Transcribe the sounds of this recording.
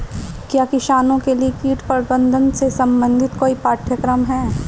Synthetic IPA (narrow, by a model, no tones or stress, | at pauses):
kjaːkɪʃaːnõkeliekiːʈpɐɾbə̃nd̪ʱənsesɐ̃mbə̃nd̪ʱɪt̪koːipaːʈʰjəkɾəmɦɛː